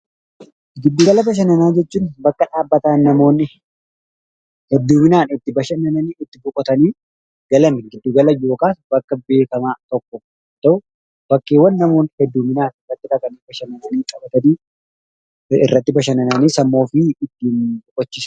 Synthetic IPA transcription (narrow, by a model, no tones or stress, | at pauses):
ɡɪd̪ːuːɡɐlɐbɐʃ̬ɐnɐnaːd͡ʒɛt͡ʃːuːnbɐkːɐᶑaːbːɐt̪aːnːɐmo̞ːnːɪ | hɛd̪ːuːmɪnaːnɪt̪ːɪbɐʃɐnɐnɐniːɪt̪ːɪbʊkʼɔt̪ɐniː | ɡɐlɐmɪɡɪd̪ːuːɡɐlɐjo̞ːkaːsbɐkːɐbe̞ːkɐmaːt̪ɔkːɔ | t̪ːɐʔʊ | b̥ɐkːeːwɐnːɐmo̞ːnhɛd̪ːuːmɪnaːnɪrːɐt̪ːɪᶑɐkɐnibɐʃɐnɐnɐniːkʼɐbɐt̪ɐniː | ɪ̰rːɐt̪ːɪbɐʃɐnɐnɐniːsɐmːo̞ːfɪɪt̪ːiːnbʊkʼɔt͡ʃːɪs